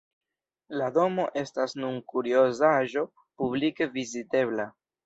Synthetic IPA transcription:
lado̞mo̞ʔe̞stasnunkuɾio̞zaʒo̞ | publike̞vizite̞βla

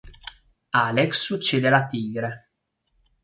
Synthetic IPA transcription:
aːleksːut͡ʃːeːd̪ealat̪iːɡɾe

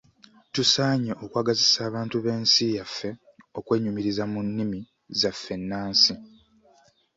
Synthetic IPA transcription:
tusaːɲeʔo̞kwaːɡazisaːβaːntuβe̞ːnsijafːe̞ | o̞kwe̞ːɲumiɾizamunːimi | zafːe̞nːaːnsi

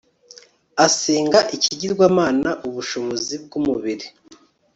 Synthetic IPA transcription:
aseːŋɡaʔiciɟiɾɡwaːmaːnaʔuβuʃo̞βo̞zib̚ɡumuβiɾi

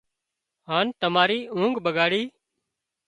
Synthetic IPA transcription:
ɦaːnt̪əmaːɾiːũːŋɡɓəɡaːɽiː

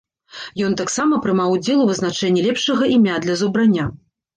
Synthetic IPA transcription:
jɔnt̪aksamɐpɾɨmawd͡zʲɛlˠuvɨznat͡ʂɛnʲːilʲɛpʂɐɣɐʔimʲad̪lʲɐzubɾanʲːa

